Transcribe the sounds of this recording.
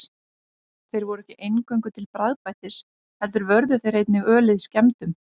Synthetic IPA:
θejɾvɔɾʏɛhcɪʔejnkœɥjŋkʏt̪ʰɪlpɾaðpajht̪ɪs | hɛlt̪ʏɾvœɾðʏθejɾ̥ejt̪nɪɣœːlɪðiscɛmt̪ʏm

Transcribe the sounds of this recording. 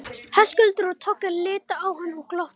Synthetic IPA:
hḁskʏlt̪ɪɾɔðt̪ʰɔkalɪːt̪aawɦanːɔɣklɔht̪

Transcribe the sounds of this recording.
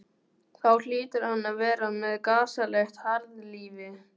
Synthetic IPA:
θawl̥iːt̪ɪɾ̥hanːaðvɛːɾamɛðkaːsalɛxt̪haɾðliːvɪ

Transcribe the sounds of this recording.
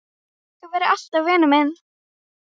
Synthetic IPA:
θuvɛːɾɪal̥t̪avvɛːnʏmɛn

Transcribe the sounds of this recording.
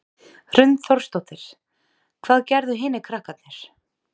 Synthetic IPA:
r̥ʏnt̪θɔɾ̥st̪owht̪ɪɾ̥ | kʰvaːðcɛɾðʏɦɪːnɪkʰɾahkat̪nɛɾ̥

